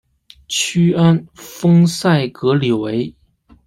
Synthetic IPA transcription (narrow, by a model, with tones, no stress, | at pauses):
t͡ɕʰy˥a˥nfɤ˥ŋsa˥˩ɪkɤ˧˥li˨˩we˧˥ɪ